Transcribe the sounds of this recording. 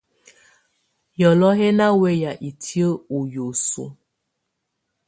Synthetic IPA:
jɔ˨lɔ˦ɦe˦na˦we˦ja˨ʔi˨tʰi˦o˦u˨jo˨sṵ˦

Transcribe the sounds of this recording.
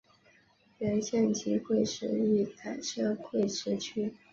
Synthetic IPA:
lɛ˧˥nɕjɛ˥˩nt͡ɕʰi˧˥kʰwe˥˩ɪʂɻ̩˧˥i˥˩t͡sʰa˨˩ɪʂɤ˥kʰwe˥˩ɪʂɻ̩˥t͡ɕʰy˥

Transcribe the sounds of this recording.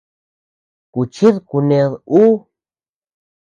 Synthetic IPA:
ku˨t͡ʃi˦ðku˧nẽ˧ðu˦

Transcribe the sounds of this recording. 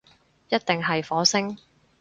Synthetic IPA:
jɐ˥t̚t̪ɪ˨ŋɦɐ˨jfɔː˨˥sɪ˥ŋ

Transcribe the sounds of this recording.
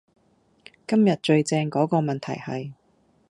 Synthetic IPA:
kɐ˥mjɐ˨t̚t͡ʃɵ˧ɥt͡sɛː˧ŋkɔː˨˥kɔː˧mɐ˨nt̪ʰɐ̰˨˩jhɐ˨j

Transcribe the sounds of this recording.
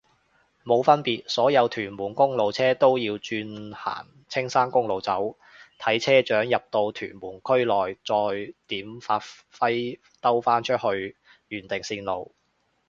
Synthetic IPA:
mo˨˧wfɐ˥npiː˨t̚sɔː˨˥jɐ˨˧wt̪ʰyː˨˩nmuː˨˩nkʊ˥ŋlo˨wt͡sʰɛː˥t̪o˥wjiː˧wt͡ʃyː˧nha̰ː˨˩n | t͡sʰɪ˥ŋsaː˥nkʊ˥ŋlo˨wt͡sɐ˨˥w | t̪ʰɐ˨˥jt͡sʰɛː˥t͡ʃœː˨˥ŋjɐ˨p̚t̪o˧wt̪ʰy̰ː˨˩nmuː˨˩nkʰɵ˥ɥlɔː˨˩jt͡sɔː˧jt̪iː˨˥mfaː˧˥t | fɐ˥j | t̪ɐ˥wfaː˥nt͡ʃʰɵ˥t̚hɵ˧ɥ | jyː˨˩nt̪ɪ˨ŋsiː˧nlo˨w

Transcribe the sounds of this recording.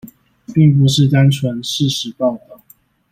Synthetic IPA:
pi˥˨ŋp̬u˥˧ʂɻ̩˥˩t̪a˥nt͡sʰwə˧˥nʂɻ̩˥˨˩ʂɻ̩˨˦pɑ˥˧ʊt̪ɑ˥˩

